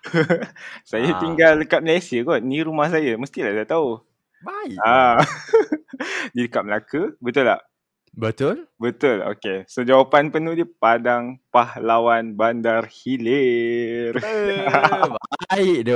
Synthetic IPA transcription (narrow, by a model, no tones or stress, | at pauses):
sajat̪iŋɡalːəkat̪̚məlasiəɡɔnniɾumahsajaməst̪ilaʔsajat̪au | baa | diləkaʔ̪̚məlakəbət̪ʊlːa̰ʔ | bət̪ʊlbət̪ʊlo̰kesod͡ʒawapanpənudiəpadaŋpahlawanbandarhile | r | iʔdə